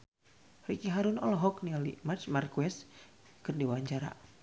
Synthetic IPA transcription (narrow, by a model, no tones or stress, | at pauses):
rikiɦaɾunɔlɔɦɔknialḭmat͡ʃmarkuɛs | kɨrdiwaɲd͡ʒaɾa̰